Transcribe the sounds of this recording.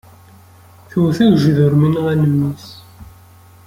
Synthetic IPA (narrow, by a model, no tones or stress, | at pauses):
θuwθæʝʒðʊɾminʁænəmːis